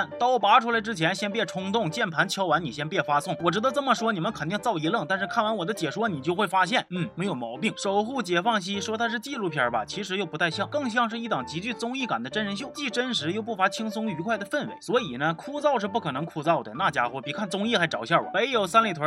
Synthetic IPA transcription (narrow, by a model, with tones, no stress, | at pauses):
nt̪ɑ˥ʊpa˧˥ʈ͡ʂʰu˥la˧˥ɪʈ͡ʂɻ̩˥t͡ɕʰjɛ˧˥nɕjɛ˥np̬jɛ˥˩ʈ͡ʂʰʊ˥ŋt̪ʊ˥˩ŋt͡ɕjɛ˥˩npʰa˧˥nt͡ɕʰjɑ˥ʊwa˧˥ni˨˩ɕ̬jɛ˥npjɛ˥˩fa˥sʊ˥˩ŋwɔ˨˩ʈ͡ʂɻ̩˧˥d̪ə˧t͡sə˥˩nmə˩ʂwɔ˥ni˨˩mə˦nkʰə˨˩nt̪i˥˧ŋt͡sɑ˥˩ʊi˧˥lɤ˥˩ŋt̪a˥˧nʂɻ̩˥˧kʰa˥˩nwa˧˥nwɔ˨˩d̪ə˦t͡ɕjɛ˨˩ʂwɔ˥ni˨˩t͡ɕjo˥˧ʊxwe˥˩ɪfa˥ɕ̬jɛ˥˩nn̩˥˩e˧˥ɪjo˨˩ʊmɑ˧˥ʊpi˥˩ŋʂo˨˩ʊxu˥˩t͡ɕjɛ˨˩fɑ˥˩ŋɕ̬i˥ʂwɔ˥t̪ʰa˥ʂ̬̩˥˧t͡ɕi˥˧lu˥˩pʰjɑ˧˥bɐ˨t͡ɕʰi˧˥ʂɻ̩˧˥jo˥˩pu˧˥t̪ʰa˥˧ɪɕjɑ˥˩ŋkɤ˥˧ŋɕ̬jɑ˥˧ŋʂ̬ɻ̩˥˧i˥˩t̪ɑ˨˩ŋt͡ɕi˧˥t͡ɕy˥˩t͡sʊ˥ŋi˥˩ka˨˩nd̪ə˦ʈ͡ʂə˥nɻə˧˥nɕ̬jo˥˩ʊt͡ɕi˥˩ʈ͡ʂə˥nʂɻ̩˧˥jo˥˧ʊpu˥˩fa˧˥t͡ɕʰi˥ŋsʊ˥ŋy˧˥kʰwa˥˩ɪd̪ə˩fə˥˩nwḛ˧˥ɪswɔ˧˥i˨˩nə˦kʰu˥˧t͡sɑ˥˧ʊʂ̬ɻ̩˥˧p̬u˥˩kʰɤ˨˩nɤ˧˥ŋkʰu˥˧t͡sɑ˥˩ʊd̪ə˩na˥˩t͡ɕja̰˥xwɛ˥˩pi˨˩kʰa˥˩nt͡sʊ˥ŋi˥˩xa˧˥ɪʈ͡ʂɑ˨˩ʊɕja˥˩wɔ̰˨˩˥me˧˥ɪjo˨˩ʊsa˥nlt̪ʰwə˧˥